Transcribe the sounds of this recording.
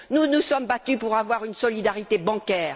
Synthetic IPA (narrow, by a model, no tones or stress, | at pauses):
nunusɔmbat̪ypuʁavwaʁynsɔlid̪aʁit̪ebɑ̃kʲɛːʁ